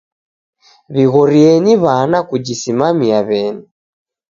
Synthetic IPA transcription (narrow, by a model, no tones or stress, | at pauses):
βiɣɔɾiɛniβanakud͡ʒisimamiaβɛni